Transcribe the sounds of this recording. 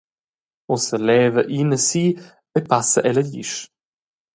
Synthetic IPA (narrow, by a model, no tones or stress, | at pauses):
ɔsəlɛːvəʔinəsiː | epasəʔɛləʎḭʃ